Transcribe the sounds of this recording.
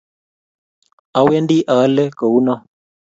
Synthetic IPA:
a˦we˦ndi˦ʔa˨˦lɛ˦ko˨u˦nɔ˦

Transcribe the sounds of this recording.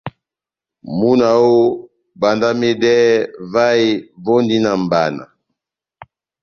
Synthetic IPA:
mu˦na˨o˦ | ba˨nda˦me˦dɛ˦va˦i˦vɔ˦ndi˦na˨m˨ba˨na̰˨

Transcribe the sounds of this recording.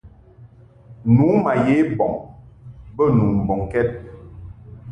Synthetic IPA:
nuː˨˦ma˨je˨˦bɔ˨ŋ | bə˦˨nu˨m̩˨bɔ˨ŋkɛ˦t̚

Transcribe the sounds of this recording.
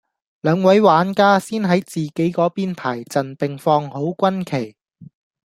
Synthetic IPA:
lœː˨˧ŋwɐ˨˥jwaː˨˥nkaː˥siː˥nɦɐ˨˥jt͡siː˨˩ke˨˥jkɔː˨˥piː˥npʰaː˨˩jt͡sɐ˨npɪ˨ŋfɔː˧ŋho˨˥wkʷɐ˥nkʰe˨˩j

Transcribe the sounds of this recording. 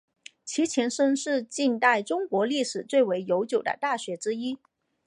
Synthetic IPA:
t͡ɕʰi˧˥t͡ɕʰjɛ˧˥nʂə˥ŋʂɻ̩˥˧t͡ɕi˥˧nt̪a˥˩ɪʈ͡ʂʊ˥ŋkwɔ˧˥li˥˩ʂɻ̩˨˩t͡swe˥˩ɪwe˧˥ɪjo˧˥ʊt͡ɕjo˨˩ʊd̪ə̰˦t̪a˥˩ɕɥɛ˧˥ʈ͡ʂɻ̩˥i˥

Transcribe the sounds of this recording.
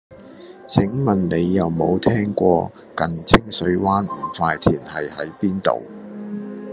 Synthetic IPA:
t͡sʰɪ˨˥ŋmɐ˨˩nne˨˧jːɐ˨wmo˨˧wt̪ʰɛː˥ŋkʷɔː˧ | kɐ˨nt͡sʰɪ˥ŋsɵ˨˧ɥwaː˥nm̩˨˩faː˧jt̪ʰiː˨˩nhɐ˨jhɐ˨˥jpiː˥nt̪o̰˨w

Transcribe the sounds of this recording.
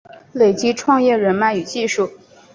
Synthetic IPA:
le˨˩ɪt͡ɕi˥ʈ͡ʂʰwɑ˥˧ŋjɛ˥˩ɻə˧˥nma˥˩ɪy˨˩t͡ɕi˥˧ʂu˥˩

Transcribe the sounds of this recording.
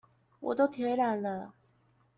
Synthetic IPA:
wɔ̰˨˩t̪o˥˧ʊt̪ʰjɛ˧˥ɪɻa˧˥˦nlə˧

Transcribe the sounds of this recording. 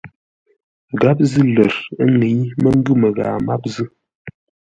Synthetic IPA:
ɡa˦p̬̚zɨ˦lə˨ɾə˦ŋe˨˦ɲmə˦ŋ˦ɡʉ˦˨mə˨ɣaː˨ma˦p̚zɨ˦

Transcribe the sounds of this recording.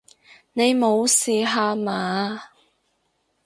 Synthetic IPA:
ne˨˧jmo˨˧wsiː˨˧ɦaː˧maː˨˧

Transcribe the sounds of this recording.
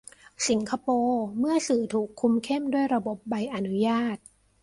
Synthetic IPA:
si˨˩˦ŋkʰa˧poː˧mɯ˥˩ɐsɯː˨˩t̪ʰuː˨˩kʰːu˧mkʰe˥˩mdu˥˩əjɾa˧bo˨˩p̚ba˧jʔa˧nu˦˥jaː˥˩t̪̚

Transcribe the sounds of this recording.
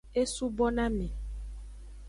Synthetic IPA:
e˦su˦bɔ˦nã˦mẽ˨

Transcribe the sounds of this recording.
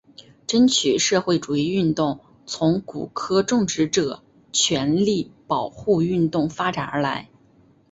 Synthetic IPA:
ʈ͡ʂə˥nt͡ɕʰy˨˩ʂɤ˥˧xwe˥˩ɪʈ͡ʂu˨˩i˥˧y˥˧nt̪ʊ˥˩ŋ | t͡sʰʊ˧˥ŋku˨˩kʰɤ˥ʈ͡ʂʊ˥˩ŋʈ͡ʂɻ̩˧˥ʈ͡ʂɤ˨˩ | t͡ɕʰɥɛ˧˥nli˥˩pɑ˨˩ʊxu˥˧y˥˧nt̪ʊ˥˩ŋfa˥ʈ͡ʂa˨˩nə˞˧˥la˧˥ɪ

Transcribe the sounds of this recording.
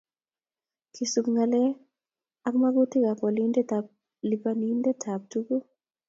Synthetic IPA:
kʰi˨su˨kŋa˨lɛ˦ | a˦kma˦ɡu˦ti˦ka˨kɔ˨li˦ndɛ˦ta | li˨pa˨ni˦ndɛ˦tʰa˨p̚tu˦ku˦

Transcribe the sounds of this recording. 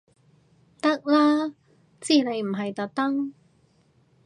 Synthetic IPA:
t̪ɐ˥k̚laː˥ | t͡siː˥ne˨˧jm̩˨˩ɦɐ˨jt̪ɐ˨˥k̚t̪ɐ˥ŋ

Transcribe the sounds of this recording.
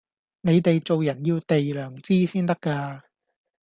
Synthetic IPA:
ne˨˧jt̪e˨jt͡so˨wjɐ˨˩njiː˧wt̪e˨jlœː˨˩ŋt͡siː˥siː˥nt̪ɐ˥kːaː˧

